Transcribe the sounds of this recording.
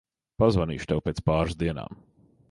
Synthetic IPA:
pazvanḭːʃt̪ɛwpeːt̪spaːɾzd̪iɛna̰ːm

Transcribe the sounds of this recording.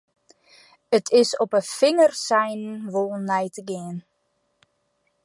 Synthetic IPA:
ətʰɪsɔpəfɪŋərsɛjnnʋolˠnɛjtəɡɪən

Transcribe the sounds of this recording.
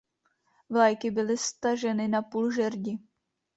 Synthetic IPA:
vlajkɪbɪlɪst̪aʒɛnɪnapuːlʒɛɾɟɪ

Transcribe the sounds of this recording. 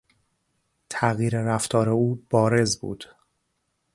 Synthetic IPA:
t̪ʰæɣjiːɾeɾæft̪ʰɒːɾe̞uːb̥ɒːɾe̞zbṵːd̪̥

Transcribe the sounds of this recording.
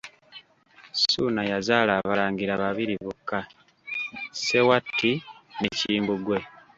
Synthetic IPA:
suːnajazaːlaːβaɾaːŋɡiɾaβaβiɾiβukːa | se̞watːineciːmbuɡwe̞

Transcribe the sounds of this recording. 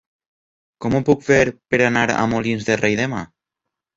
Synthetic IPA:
kɔmupukfeɾpeɾanaɾa̰molinzðerʔejðema

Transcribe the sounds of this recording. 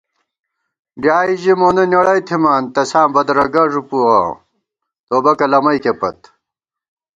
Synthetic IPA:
ɖjaːiʑimoːnɐnjɐɽɐjt̪ʰimaːnt̪ɐsãːbɐd̪ɾɐɡɐʐupua̰ː | t̪oːbɐkɐlɐmɐjkepɐ̰t̪

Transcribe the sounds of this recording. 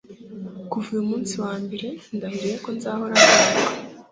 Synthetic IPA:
kuvijumuːnsiwaːmbe̞ɾe̞ndahiɾijeko̞nzaːho̞ɾanaka

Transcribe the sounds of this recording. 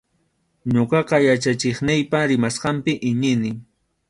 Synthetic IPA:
ɲoqɑqɑjat͡ʃat͡ʃɪχnɪjpaɾɪmasqɑmpɪʔɪɲɪnɪ

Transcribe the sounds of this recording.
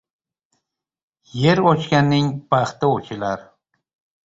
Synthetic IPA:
jeɾot͡ʃkʲanːɪŋpɑχt̪ɪot͡ʃʰɪlaɾ

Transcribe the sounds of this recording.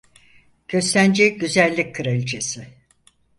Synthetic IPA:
ɟʰø̞slʲænd͡ʒeɟyzælʲːickʰɯɾalʲt͡ʃʰesɪ

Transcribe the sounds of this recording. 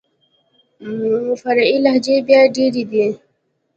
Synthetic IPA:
fɐɾilɐɦd͡ʑebjaɖeɾid̪e

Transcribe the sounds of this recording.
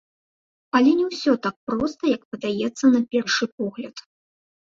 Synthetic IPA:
ɐlʲɛnʲɛwsʲɔt̪ak̚pɾɔst̪ɐjɐkpɐd̪ajɛt̪sːɐnɐpʲɛrʂɨp̚ɔɣlʲɐt̪

